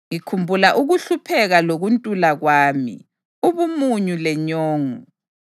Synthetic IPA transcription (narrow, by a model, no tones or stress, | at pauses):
ŋikʰumbʱulaʔuɣuɬupʰɛɣaloɣuntʼulaɣwaːmḭ | uβumuɲulɛɲɔːŋu